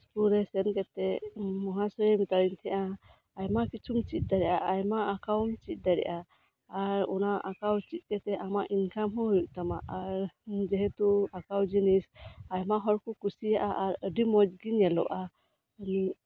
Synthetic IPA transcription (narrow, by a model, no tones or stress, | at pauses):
spuɾɛsɛnkɛt̪ɛmɔɦasɔjɛmit̪aɾint̪ʰɛʔaː | jmakit͡ʃʰumt͡ʃit̪̚ˀd̪aɾɛʔaʔajmaakawnt͡ʃit̪̚ˀd̪aɾɛ̰ʔaː | ɾɔ̰naʔakawt͡ʃit̪̚ˀkɛt̪ɛʔamaʔinkamɦɔ̃ɦujuʔ̚t̪amaʔaɾd͡ʒɛɦɛt̪uakawd͡ʒinisajmaɦɔɾkukusijaʔaʔaɾəɖimɔd͡ʒɡinjɛlɔ̰ʔa | əni